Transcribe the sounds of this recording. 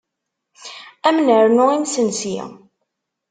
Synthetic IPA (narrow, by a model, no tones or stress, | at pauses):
æmnəɾnʊimsənsḭ